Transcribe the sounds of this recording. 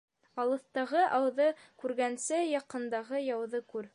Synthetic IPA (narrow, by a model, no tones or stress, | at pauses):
ɑlˠɤ̆θt̪ɑʁɤʔɑwðɤkʉɾɡænsɘjɑqɤ̆nd̪ɑʁɤjɑwðɤkʉɾ